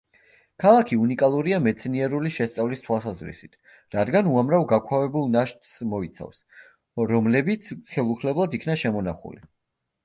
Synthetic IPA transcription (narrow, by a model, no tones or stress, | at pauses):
kʰalˠakʰiunikʼalˠuɾiamɛt̪sʰniɛɾuliʃɛst̪sʼavlist̪ʰwasazɾḭsit̪ʰ | ɾad̪ɡanuamɾavɡakʰwavɛbulˠnaʃt̪smɔit̪sʰa̰fs | ɾɔmlɛbit̪sʰχɛlˠuχʰlɛblˠad̪ikʰnaʃɛmɔnaχṵli